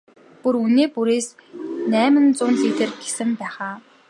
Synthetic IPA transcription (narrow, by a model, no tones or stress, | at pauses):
puɾuneːpuɾeːsnæːmɘ̆nt͡sʊːnt͡sit̪ɘ̆rɡe̥sɘ̆mpæːχaː